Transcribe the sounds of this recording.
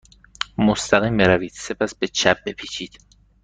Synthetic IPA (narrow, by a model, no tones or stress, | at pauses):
most̪ʰæɣiːmbeɾæviːd̪̥se̞pʰæsbet͡ʃʰæb̚be̞pʰiːt͡ʃʰiːd̪̥